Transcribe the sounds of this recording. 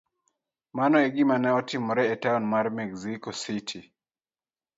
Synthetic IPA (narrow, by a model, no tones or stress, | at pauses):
manɔɛɡimanaɔtimɔɾɛɛtaɔnmaɾmɛɡzikɔsitʰi